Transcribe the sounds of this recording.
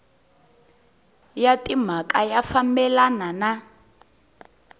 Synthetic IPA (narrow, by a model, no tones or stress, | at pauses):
jatʼim̤akʼajafambɛlanana